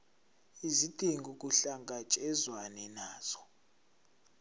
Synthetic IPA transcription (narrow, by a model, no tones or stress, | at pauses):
izitʼiŋɡʱuk̬ʼuɬaŋɡʱat͡ʃʼɛzwanɛnaːz̥ɔ